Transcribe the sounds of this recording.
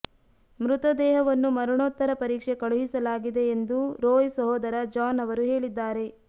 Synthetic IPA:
mɾut̪ɐd̪ɛːɦɐʋɐnːumɐɾuɳoːt̪ːɐɾɐpɐɾiːkʂe̞kɐɭuɦisɐlaːɡid̪e̞ːnd̪uɾoːjsɐɦoːd̪ɐɾɐd͡ʒaːnɐʋɐɾuɦe̞ːɭid̪ːaːɾe̞

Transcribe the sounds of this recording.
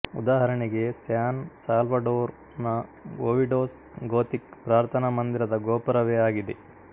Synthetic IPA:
ṵd̪aːɦɐɾɐɳeɡe̞sjaːnsaːlʋɐɖoːɾ | nɐɡoːʋiɖoːsɡoːt̪ik̚pɾaːɾt̪ʰɐnɐmɐnd̪iɾɐd̪ɐɡoːpɐɾɐʋeaːɡid̪e

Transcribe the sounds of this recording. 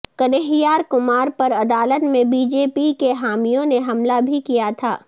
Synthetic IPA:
kɐneɦijaːɾkʊmaːɾpɐɾɐd̪aːlət̪mẽbiːd͡ʒeːpikeɦaːmijõneɦɐmlabʱikijat̪ʰa̰ː

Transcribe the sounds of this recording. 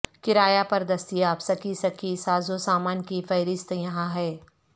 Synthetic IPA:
kɪɾaːjapɐɾd̪ɐst̪ijaːpsɐkisɐkʰisaːzosaːmaːnkifɐːɾɪst̪jɐɦãɦɛː

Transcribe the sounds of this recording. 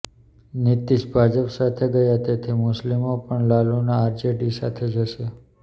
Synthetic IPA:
nɪt̪iʃbʱad͡ʒəpsat̪ʰeɡəjat̪et̪ʰimʊslimopəɳlalunaːɾd͡ʒeɖisa̰t̪ʰed͡ʒəʃe

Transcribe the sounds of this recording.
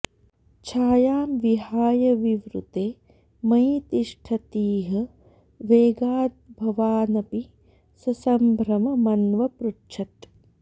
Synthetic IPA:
t͡ʃʰaːjaːmʋiɦaːjɐʋiʋɾṵt̪eː | mɐɦjt̪iʂʈʰɐt̪iːɦɐ̆ | ʋeːɡaːt̪̚bʱɐʋaːnɐpi | sɐsɐmbʱɾɐmɐmɐnʋɐpɾutʃʰɐt̪

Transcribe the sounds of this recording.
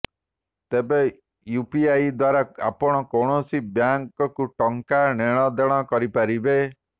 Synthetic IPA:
t̪ebe | jupiajd̪waɾaa̰pɔɽ̃ɔkoɽ̃osibjaŋkɔkuʈɔŋkaneɽ̃ɔd̪eɽ̃ɔkɔɾipaɾibe

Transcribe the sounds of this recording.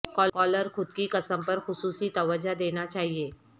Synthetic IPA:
kɔːkɔːləɾxʊd̪̚kikɐsəmpɐɾxʊsuːsit̪ɐʋəd͡ʒad̪eːnat͡ʃaːɦieː

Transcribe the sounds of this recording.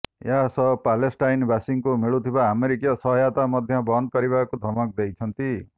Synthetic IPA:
jasʌpalesʈajnbasiŋkumiɭut̪ʰibaːmeɾikijɔsʌɦjat̪amʌd̪ʱjʌbʌnd̪̚kʌɾiβakud̪ʱɔmɔk̚d̪ejt͡ʃʰʌnt̪i

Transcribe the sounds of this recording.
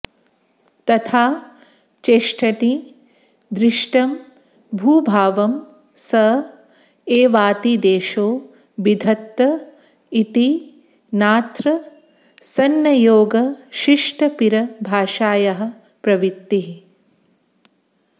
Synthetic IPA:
t̪ɐt̪ʰaː | t͡ʃeːʂʈʰɐt̪i | d̪ɾɪʂʈɐm | bʱuːbʱaːʋɐm | sɐ | eːʋaːt̪id̪eːʃoː | bid̪ʱɐt̪ːɐ | it̪i | naːt̪ɾɐ | sɐnːɐjoːɡɐʃiʂʈɐpiɾɐbʱaːʃaːjɐɦɐ̆ | pɾɐʋit̪ːi

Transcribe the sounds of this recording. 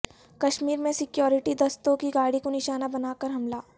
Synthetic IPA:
kɐʃmiːɾmẽsɪkjɔːɾɪʈid̪ɐst̪õkiɡaːɽikonɪʃaːnabɐnaːkɐɾɦɐmlaː

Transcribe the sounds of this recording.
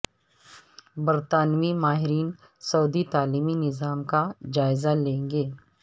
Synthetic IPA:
bəɾt̪aːnmimaːɦɪɾiːn | sɐːd̪it̪aːliːminɪzaːmkad͡ʒaːɪzalẽːŋɡeː

